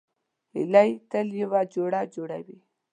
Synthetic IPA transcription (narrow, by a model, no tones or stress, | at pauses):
hɪ̰lajt̪əljəwad͡ʒoɽad͡ʒoɽa̰wi